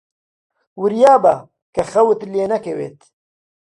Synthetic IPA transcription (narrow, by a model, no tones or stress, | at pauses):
wɨɾjaːbɐ | kɐxɐwɨt̪leːnɐkɐwḛːt̪